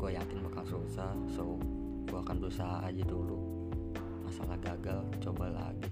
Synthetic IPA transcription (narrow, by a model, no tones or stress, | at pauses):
ɡuajakɪnbakaŋsusahso | ɡuakanbɾusaɦaʔad͡ʒadulu | masa̰lahɡaɡalt͡ʃobala̰ɡi